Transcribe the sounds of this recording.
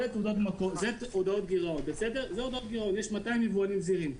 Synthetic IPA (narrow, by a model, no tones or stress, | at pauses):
et̪odot̪makozetodao̞t̪̚ɡiʁaot̪̚besede̞ʁzeo̞d̪aot̪̚ɡiʁaotjeʃmataimːevualimziʁim